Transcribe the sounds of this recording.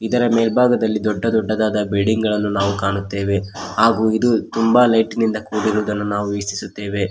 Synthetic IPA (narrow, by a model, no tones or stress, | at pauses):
id̪ɐɾɐmeːlbʱaːɡɐd̪ɐlːid̪ɔɖːɐd̪ɔɖːɐd̪aːd̪ɐbeɖiŋɡɐɭɐnːunaːʋukaːɳut̪ːe̞ːʋe̞haːɡuːid̪ut̪umbaːlɐjʈnind̪ɐkuːɽiɾuːd̪ɐnːunaːʋuʋisi̥sut̪ːe̞ːʋe̞